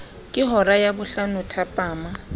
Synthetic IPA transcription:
kʼɪɦɔrajabʊɬanʊtʰapʼaːma

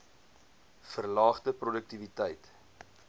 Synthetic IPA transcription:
fərlɑːχtəprodək̚tivitəjt

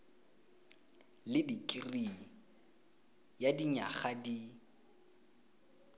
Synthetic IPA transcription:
lɪdikʼɪriŋ̩ | jadiɲa̰χadi

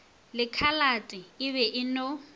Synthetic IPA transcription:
lɪkʰalatʼɪɪβɛʔɪno

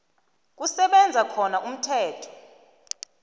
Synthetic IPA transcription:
k̬ʼusɛɓɛnd͡zʱakʰɔnaʔum̩tʰɛːtʰɔ̥

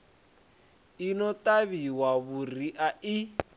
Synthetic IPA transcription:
inɔt̪aβiwaβuriʔai

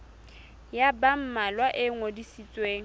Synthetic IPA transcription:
jabam̩malwaʔɪŋodisit͡sʼweːŋ̩

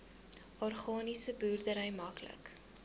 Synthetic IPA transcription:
ɔrχɑːnisəbuːrdəɾəjmɐklə̰k

